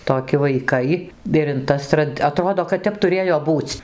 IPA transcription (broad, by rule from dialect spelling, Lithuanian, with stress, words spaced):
toːˈkʲɪ ʋɐɪˈkɐɪ ɪr ɪn ˈtɐs trɐt ɐˈtroːdoː kɐt ˈtʲɛp tʊˈrʲeːjoː ˈbuːt͡sʲ